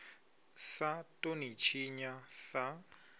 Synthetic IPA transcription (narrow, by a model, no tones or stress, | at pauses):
satʼonit͡ʃʰiɲasa